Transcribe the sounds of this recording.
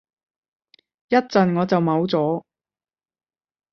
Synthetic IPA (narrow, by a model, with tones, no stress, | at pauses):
jɐ˥t̚t͡sɐ˨nŋɔː˨˧t͡sɐ˨wmɐ˨˧wt͡sɔː˨˥